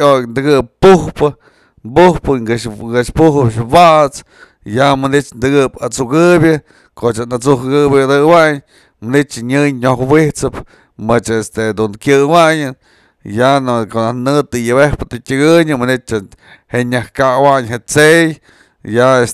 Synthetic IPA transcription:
ojnd̪ɨɡɨppuhpɨ | mbuhpɨɡɨɡɨʂpuhɨpʃwaʔt͡s | jamɨnit͡ʃnd̪ɨɡɨpat͡suɡɨbʲjɨ | kot͡ʃanat͡suhɡɨbʲɨd̪ɨwaɲ | mɨnit͡ʃɲɨɲɲohwiht͡sɨp | mɨt͡ʃest̪ed̪unkʲɨwaɲɨn | jankoʔnahnɨt̪ɨjɨbehpɨt̪ɨtʲɨɡɨɲɨmɨnit̪̚t͡ʃa | heɲahkawaɲɦet͡sej | jaes

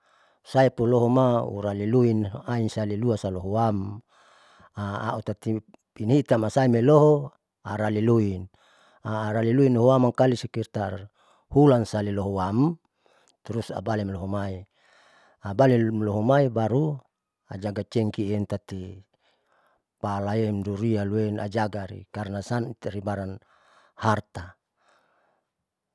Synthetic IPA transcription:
saipuloɦomaṵɾaliluinainsaliluasaloɦoam | aa̰ʔut̪at̪i | pinhit̪amasaimeloɦo | aɾaliluin | aːɾaliluinoɦowamaŋkalisikirt̪ar | hulansaliloɦowam | t̪ɾusa̰balimlɔɦomai | abalimlɔɦomaibaɾu | ad͡ʒaɡat͡ʃɛŋkiːnt̪at̪i | palaɛmduɾialuɛna̰d͡ʒaɡaɾḭkarnasant̪ɾibaɾan | hart̪a

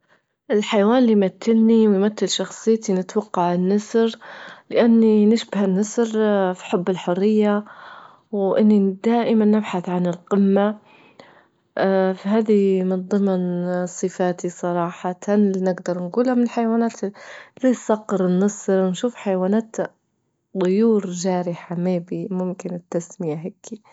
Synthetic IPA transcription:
ʔɪlħajwaːnlijmat̪ːɪlniwjmat̪ːɪlʃɑxsˤɨjːt̪inɪt̪wɑqːɑʕɪnːɑsɾlɪʔanːinɪʃbɪhɪnːɑsɾfi̥ħʊbːɪlħʊrːɪjːa | wʔɪnːid̪aːʔɪmanːɪbħaθʕanɪlqɪmːa | fiɦaːðimɪnðˤɨmnsˤɨfaːt̪isˤɑɾˤɑːħɑt̪anlnɪɡd̪ɑɾˤnɡuːlamɪnɪlħajawaːnaːt̪zisɑqːɨɾɪnːɑsˤɾwnʃuːfħajawaːnaːt̪ | d̪ˤʊjuːɾʒaːɾɪħameːbimʊmkɪnɪt̪ːasmɪjaɦakːi

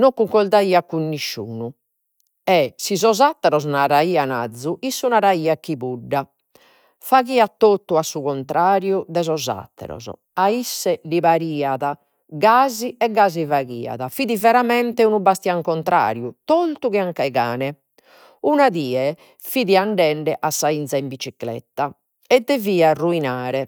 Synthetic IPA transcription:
nokːuŋkɔld̪aiakːunːiʃːṵːnu | ɛsizɔzat̪ːɛɾɔznaɾaiːana̰d̪zːuʔisːunaɾaiːakiβuɖːa | faɣiːat̪ːot̪ːuasːuɣɔnt̪ɾʔaːɾjuðɛzɔza̰t̪ːɛ̰ɾɔ̰zɔ̰ | aisːɛliβaɾiːaða | ɡaːziɛɡaːzivaɣḭːa̰ðafiðivɛɾamɛnt̪ɛunubast̪iaŋkɔnt̪ɾa̰ːɾjut̪olt̪uɣɛaŋkaɛɣa̰ːnɛ | unaðiːɛ | fiðiaɳɖɛɳɖɛʔasːaint̪saimbit͡ʃiklɛ̰t̪ːa | ɛd̪eviːaruinaːɾɛ

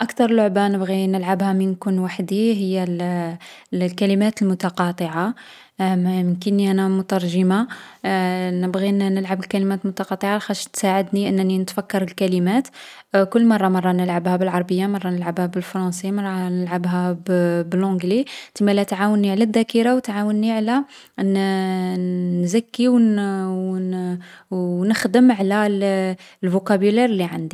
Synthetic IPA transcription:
ʔɑkt̪ɑɾˤlʊʕbanəbɣinəlʕabhæmənkʊnwaħd̪iɦəjːæl | lkælimæt̪əlmʊt̪ɑqɑt̪ˤəʕa | mməkənːiʔænæmʊt̪ɑɾˤʒəma | nəbɣinnəlʕabəlkælimæt̪lmʊt̪ɑqɑt̪ˤəʕaxæʃt̪saʕəd̪niʔənːninət̪fækːɑɾˤəlkælimæt̪ | kʊlːmɑrˤːɑmɑrˤːɑnəlʕabhæbəlʕɑɾˤbəjːamɑrˤːɑnəlʕabhæbəlfɾˤɑ̃nsimɑrˤːɑnəlʕabɦæbbəlʕʊ̃ɡlit̪əmːælæt̪ʕawənːiʕlæd̪ːækəɾawt̪ʕawənːiʕlæ | n | zækːiw | nəxd̪əmʕlæ | lvukæbuliɾliʕand̪i

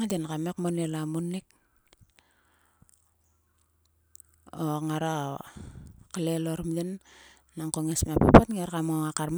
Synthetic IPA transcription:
adenkamekmonelamunik̚ | oŋaɾa | kaleloɾmdinː | aŋkoŋesmapapatŋeɾkamoŋakarm

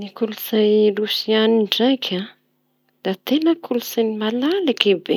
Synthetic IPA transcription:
nikuluzajrusianiɳɖ͡ʐajkʲʰa | d̪̥at̪enəkʰulusanimalalakebḛ

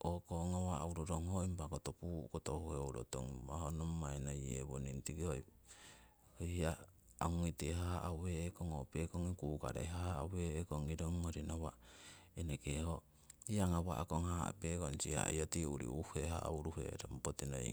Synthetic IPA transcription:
okoŋawaauɾoɾoŋhoimpakotopukotohuheowɾo̰to̰ŋbahonomːaenajḛβonintikihoj | hohia | auŋiteɦaaʔaweːkoŋopekoŋikuːka̰ɾḛɦaa̰weːkoŋiɾoŋmoɾinowaenekeho | iaŋawaʔakoŋhaa̰pekont͡ʃiha̰iotiuɾḭuhehaauɾuhḛɾompotino̰ḭ

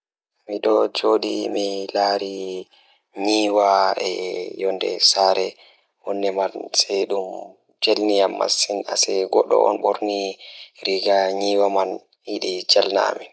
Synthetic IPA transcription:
miɗɔd͡ʒoɗimilaɾi | ɲiːwaɛjɔndɛ̰saɾɛ | hɔnːɛmansɛɗum | d͡ʒelnijamːa̰sinasɛɡɔɗɔ̰ɔ̰nɓoɾniɾiɡaɲiwaman | iɗid͡ʒalna̰mi

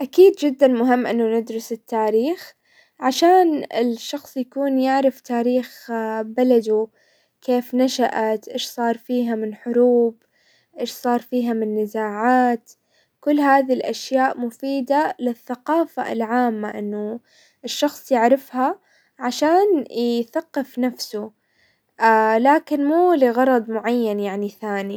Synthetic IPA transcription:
ʔakiːd̪d͡ʒɪd̪ːanmʊɦɪmːʔɪnːʊnɪd̪ɾʊsɪt̪ʰːaːɾiːx | ʕaʃaːnɪ̰lʃːɑxsˤjakuːnjɪʕɾɪft̪aːɾiːxbalad̪u | kʰeːfnaʃaʔat̪ʔeːʃsˤɑːɾˤfiːɦamɪnħʊɾuːb | ʔeːʃsˤɑːɾˤfiːɦamɪnːɪzaːʕaːt̪ | kʊlːɦaːðilʔaʃjaːʔmʊfiːd̪alɪθːaqɑːfa̰lʕaːmːaʔɪnːʊ | ɪʃːɑxsˤjɪʕɾɪfha | ʕaʃaːnθaqːɪfnafsʊ | laːkɪnmuːliɣɑɾˤɑd̪ˤmʊʕajːanjaʕniθaːni

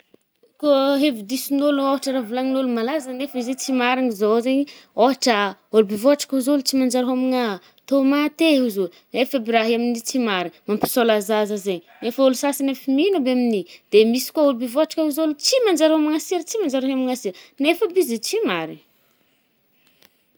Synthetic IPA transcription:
koɦevid̪isinoluoɦaʈ͡ʂəɾavulaŋinolumalazənefəizet͡simaɾinizozeɲioɦaʈ͡ʂəolubivoɦaʈ͡ʂḁkuzolut͡simand͡ʒaɾaɦamiŋa | t̪omat̪euzo | nefebiɾaɦiaminit͡simaɾimampi̥solazazəzeɲ | nefəulusasinefiminəbeaminid̪̥emisi̥kuaolubivoaʈ͡ʂḁkauzolut͡simand͡ʒaɾamiŋasiɾt͡simand͡ʒaɾaɦamiŋasiɾnefəbizet͡simaɾi

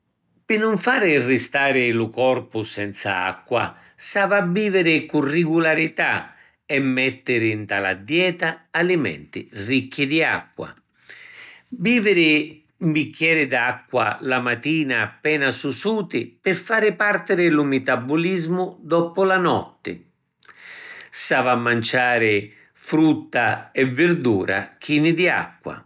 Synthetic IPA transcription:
pɪnːʊɱfaːɾɪrɪst̪aːɾɪlʊkɔrpʊsɛnt̪sa̰a̰kːwa̰ | savabːiːvɪɾɪkurːɪɡulaɾit̪a̰ | ɛmːɛt̪ːɪɾɪnt̪ala̰d̪jɛːt̪aːlɪmɛ̰nt̪ɪ̰rikːɪd̪ia̰kːwa̰ | biːvɪɾɪ | mbikːjɛːɾɪd̪akːwa̰lamat̪iːnaːpːɛːnasusuːt̪ɪpɪfːaːɾɪpart̪ɪɾɪlʊmɪt̪abːʊlizmʊd̪ɔpʊlanɔ̰t̪ːɪ̰ | savamːant͡ʃaːɾɪ | fɾut̪ːaɛvːɪɾd̪uːɾa̰k̟ʰiːnɪd̪ia̰kːwa̰

